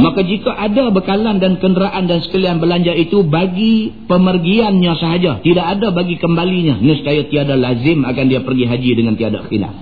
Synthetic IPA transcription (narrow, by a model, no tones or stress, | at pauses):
makad͡ʒikaʔadabəkalandankəndəɾaʔandansə̥kəlianbəlaɲd͡ʒait̪ubaɡipəmərɡianɲasəɦad͡ʒat̪idaʔadabaɡikəmbaliɲa̰nəst͡ʃajat̪iadalazɪmakandiapərɡiɦad͡ʒidəŋant̪iada̰xila̰f